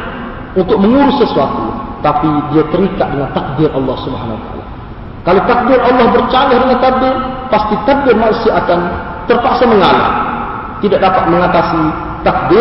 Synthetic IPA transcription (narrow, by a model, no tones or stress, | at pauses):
unt̪ʊk̚məŋuɾʊsːəsuat̪ṵt̪apidiat̪əɾikaʔ̚dəŋant̪ak̚dɪrʔɑlːɑhsubəɦanawat̪aʔa̰la̰ | kalowt̪ak̚dɪrʔɑlːɑhbərt͡ʃalahdəŋant̪abɛpast̪it̪ad̚bɛmanusiaʔakan | t̪ərpasaməŋala̰ | t̪idaʔ̚dapat̪̚məŋat̪asi | t̪ak̚dɪ